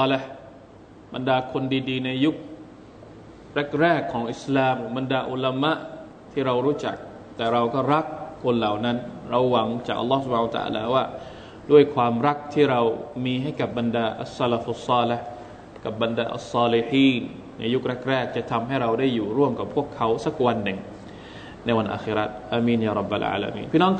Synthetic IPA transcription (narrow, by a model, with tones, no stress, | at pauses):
le˦h | ba˧ndaː˧kʰo˧ndiː˧diː˧na˧jːu˦˥k̚ | ɾɛ˦˥˩k̚ɾɛː˥˩kʰːɔː˩˦ŋʔi˨˩slaː˧mba˧ndaː˧ʔu˧la˧ma˦˥ʔ | t̪ʰiː˥˩ɾa˧wɾuː˦˥t͡ɕa̰˨˩k̚ | t̪ɛː˨˩ɾa˧wkɔː˥˩ɾa˦˥kʰːo˧nla˨˩wna˦˥nɾa˧wːa˩˦ŋt͡ɕaː˨˩k̚ʔa̰˧lːsu˩pʰaː˧n˧t̪a̰˧ʔa̰ː˧la̰ː˧waː˥˩ | du˥˩əjkʰwaː˧mɾa˦˥k̚t̪ʰiː˥˩ɾa˧wmiː˧ɦa˥˩jka˨˩p̚ba˧ndaː˧ʔa̰˨sa˦˧la˧˦fʔa˧sːɑː˧le˧h | ka˨˩p̚bːa˧ndaː˧ʔa̰˨sːɑː˧li˧ħiː˧˥nː | a˧ju˦˥k̚ɾɛ˦˥˩k̚ɾɛː˥˩k̚t͡ɕa˨˩t̪ʰa˧mɦa˥˩jɾa˧wdaː˥˩jːuː˨˩ɾu˥˩əmka˨˩pʰːu˥˩əkʰːa˦˥wsa˦˥k̚wa˧nːɯ˨˩ŋ | na˧jwa˧nʔa̰ː˧xi˧ɾa˦˥t̪̚ʔaː˧miː˧njaː˧ɾˤɑ˦˩bːa̰˧˨lʔa̰ː˧la̰˧mḭː˧npʰiː˥˧˩nɔː˦˥ŋ